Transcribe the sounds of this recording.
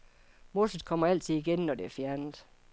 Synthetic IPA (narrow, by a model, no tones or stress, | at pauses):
mo̝sð̩ˠkʰɒ̽m̰ɐæl̰t͡sʰiðˠiɡ̥enːɒd̥e̝æɐfjæɐnð̩ˠ